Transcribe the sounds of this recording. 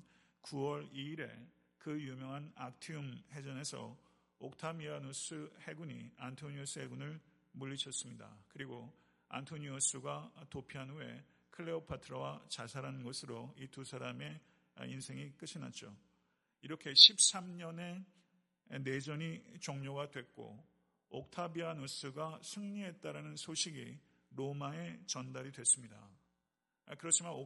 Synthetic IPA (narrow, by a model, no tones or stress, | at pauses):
kuwʌɾiːɾe̞ | kɯjumjʌŋɦanak̚tʰiumhe̞d͡ʑʌne̞sʰʌ̰ | ok̚tʰamiɾanosʰɯhe̞ɡuɲḭantʰoɲios͈ʰɯɦeɡunɯɭ | muʎːiɕʰʌs͈ɯmɲida̰kɯɾiɡo | a̰ntʰoɲios͈ʰuɡatopʰiɦanuwe̞̰ | kʰɯɭːeopʰatʰɯɾʌwat͡ɕasʰaɾanɯnɡʌsʰɯɾoitusʰaɾame̞̰ | insʰe̞ŋik͈ɯɕʰina̰t̚t͡ɕ͈o | iɾʌkʰe̞ɕʰip̚s͈amɲʌne̞ | ne̞d͡ʑʌɲit͡ɕʌŋɲoɡadwe̞k̚k͈o̰ | ok̚tʰabianos͈ɯɡasʰɯŋɲie̞t͈aɾanɯnsʰoɕʰiɡi | ɾomae̞t͡ɕʌndaɾidwe̞s͈ɯmɲida̰ | kɯɾʌt͡ɕʰimano